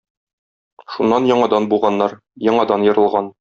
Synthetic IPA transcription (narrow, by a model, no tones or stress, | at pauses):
ʃunːɑnjɒɴɑd̪ɑnbulˠʁɑnːɑɾ | jɒɴɑd̪ɑnjɤ̆ɾɤ̆lˠʁɑn